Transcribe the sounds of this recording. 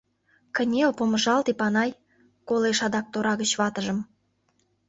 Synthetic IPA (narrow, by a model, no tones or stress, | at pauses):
kənʲelpoməʒɑlt̪ipɑnɑj | koleʃɑd̪ɑk̚t̪oɾɑɣət͡ɕβɑt̪əʒə̆m